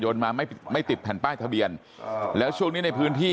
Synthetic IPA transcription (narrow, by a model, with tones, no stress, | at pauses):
joː˧nmaː˧ma˥˩jma˥˩jt̪i˨˩t̪̚ʰɛː˨˩npaː˥˩jt̪ʰa˧bi˧ən | lɛː˦˥wt͡ɕʰu˥˩əŋniː˦˥na˧jpʰɯː˦˥nt̪ʰiː˥˩